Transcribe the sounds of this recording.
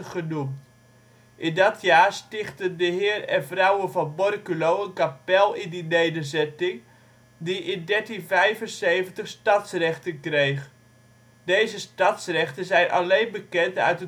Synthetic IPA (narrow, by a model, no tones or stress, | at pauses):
χənumt | ʔɪndɑtʰjaːrstɪχtəndəɦɪːrɛnvrawənvɑnbɔrkylowənkapɛlˠɪndinejdənzɛtɪŋ | diʔɪndɛɹtinvɛjvənsejvəntəχstɑtsrɛχtənkrejχ | dejzəstɑtsrɛχtəzɛjnʔa̰lejnbəkɛntœ̰ɥtə